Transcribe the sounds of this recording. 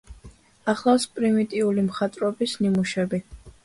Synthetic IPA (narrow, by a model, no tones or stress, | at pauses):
aχlˠafspʼɾimit̪ʼiulimχat̪ʼɾɔbisnimuʃɛbi